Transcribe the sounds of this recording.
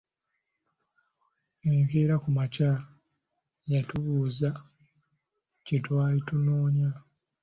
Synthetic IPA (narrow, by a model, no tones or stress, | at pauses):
eːŋɡeɾakumaca | jatuβuːza | cetwaːlitunoːɲa